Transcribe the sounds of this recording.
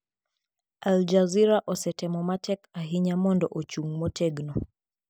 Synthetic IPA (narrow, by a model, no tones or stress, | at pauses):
ald͡ʒaziɾaʔɔsɛtɛmɔmatɛkaɦiɲamɔndɔʔɔt͡ʃuŋmɔtɛɡnɔ